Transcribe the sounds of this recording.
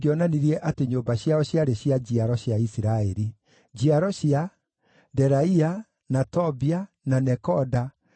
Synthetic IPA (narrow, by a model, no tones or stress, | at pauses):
ɡeɔnaniɾiɛʔateɲoːmbaɕjaɔɕjaɾeɕjad͡ʑiaɾɔɕjaisiɾaɛɾi | d͡ʑiaɾɔɕja | dɛɾaia | natɔbia | nanɛkɔda